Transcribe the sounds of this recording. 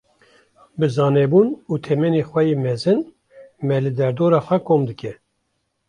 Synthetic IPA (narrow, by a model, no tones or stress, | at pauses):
bɨzɑːnɛbuːnuːt̪ʰɛmɛneːxʷɛjeːmɛzɨn | mɛlɨd̪ɛɾd̪oːɾɑːxʷɛkʰoːmd̪ɨkɛ